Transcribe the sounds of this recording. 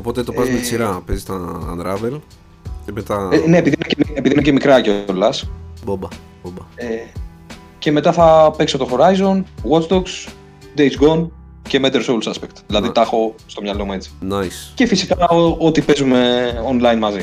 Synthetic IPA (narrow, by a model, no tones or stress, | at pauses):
opo̞t̪et̪opɐzmet͡siɾɐpezist̪ɐ̰nd̪ɾɐvel | cemet̪ɐne̞ːpiðinocemiepiðincemikɾɐceolɐsbobɐ | bobɐe | ce̞me̞t̪ɐθɐpekso̞t̪o̞xo̞ɾɐizo̞nɣott͡sd̪oks | d̪ejt͡sɡo̞n | ce̞med̪eɾsowlsɐspekt̪ðilɐðit̪ɐxo̞st̪o̞mɲɐlo̞mue̞t͡si̥najsce̞fisikɐoot̪ipe̞zume̞o̞nlɐjnmɐzi